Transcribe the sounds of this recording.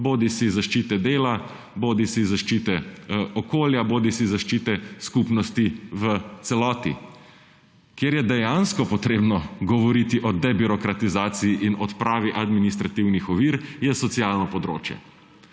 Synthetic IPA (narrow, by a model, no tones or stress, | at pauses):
boːd̪isizaʃt͡ʃiːt̪ɛd̪eːla | boːd̪isizaʃt͡ʃit̪ɛɔkoːljaboːd̪isizaʃt͡ʃit̪ɛskupnɔst̪iʋət̪sɛlɔːt̪ḭ | kjeɾjɛd̪ɛjanskɔpɔt̪ɾeːbnɔɡɔʋɔɾit̪iʔɔd̪ɛbiɾɔkɾat̪izaːt̪siiʔinɔt̪pɾaːʋiʔad̪minist̪ɾat̪iwnixɔʋiːɾjɛsɔt̪sialnɔpɔd̪ɾo̰ːt͡ʃjɛ̰